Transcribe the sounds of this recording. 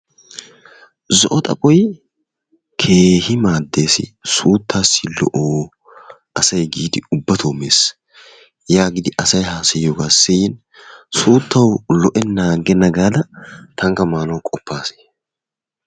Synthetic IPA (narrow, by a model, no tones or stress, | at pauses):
zɔʔɔt̪ʼɐ̰pʼɔj | kʰeːhɪmaːd̪ːeːsɪ̰suːt̪ʰːaːsɪlɔ̰ʔoː | ʔɐsɐjɡiːd̪ɪʊbːɐt̪ʰoːmeːs | jaːɡɪd̪ɪʔɐsɐjhaːsɛjoːɡaːsːɪjɪn | suːt̪ʰːɐwlɔʔɛnaːɡɛnɐɡaːd̪ɐt̪ʰɐŋkɐmaːnowkʼɔpːaːse̥